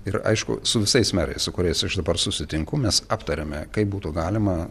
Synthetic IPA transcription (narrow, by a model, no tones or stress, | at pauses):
ɪɾɐ̰ɪʃkʊ̰sʊʋʲɪsɐɪsmʲæːɾɐ̰ɪssʊkʊɾʲɛɪsɐʃd̪ɐbɐrsʊsʲɪt̪ʲɪŋkʊmʲɛsɑːpt̪ɐɾʲemʲɛkɐɪp̚buːt̪uɡɑːlʲɪmɐ